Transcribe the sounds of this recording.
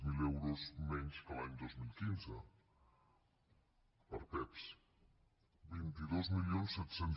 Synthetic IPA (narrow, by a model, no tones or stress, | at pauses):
milɛwɾozmɛɲskəlaɲd̪ozmilˠkinzə | pəɾpɛps | bint̪iðozmilionsːɛt̪sen